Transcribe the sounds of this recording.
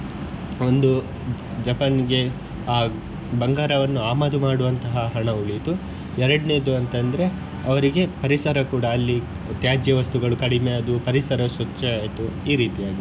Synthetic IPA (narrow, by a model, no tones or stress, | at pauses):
ond̪u | d͡ʒɐpɐnɡe̞ | aː | bɐŋɡaːɾɐʋɐnːuaːmaːd̪umaːɽuʋɐnt̪ɐɦɐɦɐɳɐuɭit̪u | ɛɾɐɽneːd̪uɐnt̪ɐnd̪ɐɾe | ɐʋɐɾiɡe̞pɐɾisɐɾɐkuːɽɐːlːi | t̪jaːd͡ʒjɐʋɐst̪uɡɐɭukɐɽime̞ɐd̪upɐɾisɐɾɐsɐt͡ʃːɐaːjt̪uiːɾiːt̪ijaːɡi